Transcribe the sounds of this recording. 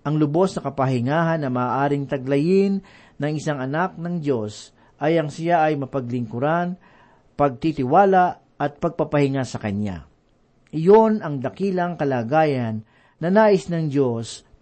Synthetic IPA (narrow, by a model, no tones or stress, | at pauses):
ʔɐŋlʊbo̞snɐkɐpɐhɪŋaːɦɐnːɐmaːʔaːɾɪŋt̪ɐɡ̚lɐjɪnː | ɐŋɪsaŋɐnak̚nɐŋd͡ʒo̞s | ʔɐjɐŋsɪjaʔɐjmɐpɐɡlɪŋkʊɾan | pɐɡ̚t̪it̪ɪwaːlaʔ | ɐt̪̚pɐɡ̚pɐpɐhɪŋasɐkɐna̰ | ʔɪjo̞nɐŋd̪ɐkiːlɐŋkɐlaːɡaːjɐnː | ɐnaːʔɪsnɐŋd͡ʒo̞s